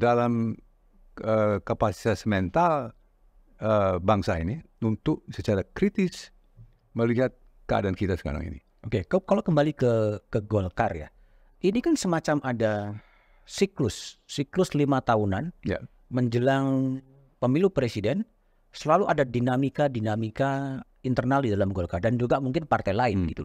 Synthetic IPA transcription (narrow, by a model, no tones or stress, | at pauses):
dalam | əkapasi̥t̪asmɛnt̪al | əbaŋsaini | unt̪ʊk̚sət͡ʃaɾakɾit̪ɪs | məliɦat̪̚ | kəa̰dankit̪asə̥ka̰ɾa̰ŋḭnḭ | okekakalawkəmbalikəkəɡolkarja̰ | ʔinikansəmat͡ʃamʔada | siklʊsːiklʊslimat̪aunanja̰ | məɲd͡ʒəlaŋ | pəmilupɾesidɛn | səlaluʔadadinamikadinamika | int̪ərnaldidalamɡolkardand͡ʒuɡamuŋkɪnpart̪ajlaɪnbɡḭt̪u